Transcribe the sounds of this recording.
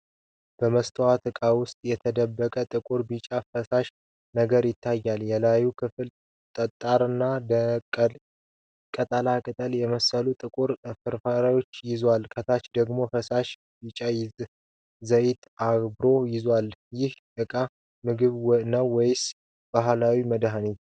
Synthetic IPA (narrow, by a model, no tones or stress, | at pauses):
b̥əməst̪ʰəwat̪ʰɨkʼawʊst̪ʼjɛt̪ʰəd̪əbːəkʼət̪ʼɨkʼuɾbit͡ʃʼafəsaʃ | nəɡəɾjɪt̪ʰːajːaljɛlajukʰɨfɨl | t̪ʼət̪ʼːaɾɨnːad̪ʼ | kʼət̪ʼəlakʼɨt̪ʼəljɛməsəlut̪ʼɨkʼuɾfɨɾfaɾajo̞t͡ʃːjɪzwalkʰət̪ʰat͡ʃd̪əɡmo̞fəsaʃ | bit͡ʃʼajɪz | zəjɪt̪ʰabɾo̞jɪzwaljɪhʔɨkʼa | mɨɡɨβnəwːɔjɪs | b̥aɦlawiməd̪ɦanit̪